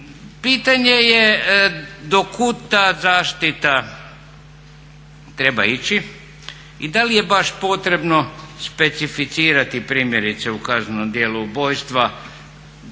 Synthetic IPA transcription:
piːt̪aɲeje | d̪okʰut̪azaːʃt̪it̪a | t̪ɾe̞bait͡ɕi | id̪alije̞baʃpo̞t̪ɾe̞bno̞spe̞t̪sifit̪siːɾat̪ipɾiːmje̞ɾit̪se̞ukaznenomd̪jeːlubo̞jst̪ʋa

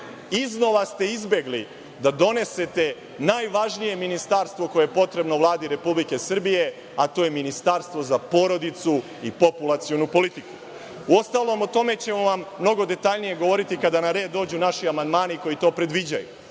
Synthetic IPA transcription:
izno̞ʋast̪e̞izbje̞ɡli | d̪ad̪o̞ne̞se̞t̪e̞ | naːjʋaʒnije̞minist̪aɾst̪ʋo̞ko̞jeepo̞t̪ɾe̞bno̞ʋlˠaːd̪iɾe̞publike̞sr̩bije̞ | at̪o̞ːjeminist̪aːɾst̪ʋo̞zapo̞ɾo̞d̪it̪su | ipo̞pulˠat̪sio̞nupo̞lit̪iku̥ | uo̞st̪aːlˠo̞mot̪o̞me̞t͡ɕe̞moʋamːno̞ɡo̞d̪e̞t̪aʎnije̞ɡo̞ʋo̞ɾit̪ikad̪anaɾe̞d̪ːo̞ːd͡ʑunaʃiamand̪maːniko̞jit̪o̞ːpɾe̞d̪ʋid͡ʑajṵ

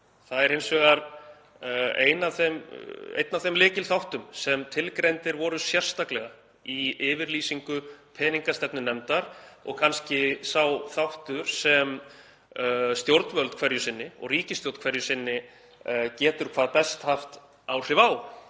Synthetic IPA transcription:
θaðɛɾhejnsvɛːɣaɾ | ḛːjnaθemḛjt̪navθemlɪːcɪlθawht̪ʏmsɛmt̪ʰɪlkɾejnt̪ɪɾvɔɾʏsjɛr̥st̪aklɛɣa | iɪːvɪɾliːsiŋkʏpʰɛːniŋkast̪ɛpnʏnɛmt̪aɾɔ̰ɣkʰanscɪsawθawht̪ʏɾ̥sɛm | st̪jowɾt̪nvœlt̪kʰvɛɾjʏsɪnːɪɔ̰ɣriːcɪst̪jowɾt̪kvɛɾjʏsɪnːɪ | cɛːt̪ʏɾ̥kʰvaːðpɛst̪haft̪ | awr̥ɪvaːw

